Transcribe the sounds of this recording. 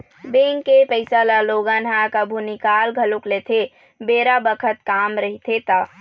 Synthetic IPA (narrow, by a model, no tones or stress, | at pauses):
beŋkepəɪsalaloɡanɦakəbʱunikalɡʱəluklet̪ʰe | beɾabəkʰət̪̚kamɾəɦit̪ʰet̪a